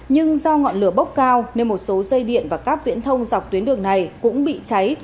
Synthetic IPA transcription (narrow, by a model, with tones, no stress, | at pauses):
ɲɨ˧ŋzɔ˧wŋɔ̰˧˨nlɨ˧˩əɓə˦˥k͡p̚kaː˧wne˧nmo˨˩t̚so˨˦zə˧jɗḭ˧˨ənvaː˨˩kaː˦˥k̚vḭ˧˥ənt̪ʰə˧wŋ͡mza˨˩wk͡p̚t̪wi˨˦ənɗɨ˨˩əŋna˨˩jkʊ̰˧˥ŋ͡mɓḭ˧˨t͡ɕa˨˦j